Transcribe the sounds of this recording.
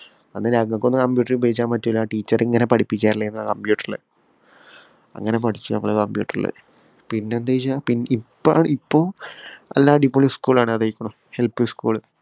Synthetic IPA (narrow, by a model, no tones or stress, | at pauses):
ɐnːɨlaɡɐkːonːɨkɐmbjuːʈːɐripɐit͡ɕːaːnpɐtːuilːaʈiːt͡ɕːɐriŋːɐne̞pɐʈʰipːit͡ɕːaːɾilːɐjenːakɐmbjuːʈːɐrilɐ̰ɨ | ɐ̰ŋːɐnep̬ɐʈʰit͡ɕːunɐŋːɐɭekɐmbjṵːʈːɐrḭlːɐ̰ðɨ | pinːend̪ejt͡ɕːapinːipːa̰ːɳɨipːoːɐ̰lːaːɖipːoɭiskuːɭaːɳɨɐðɐjikʲːɐɳum | he̞lpːɨskuːɭ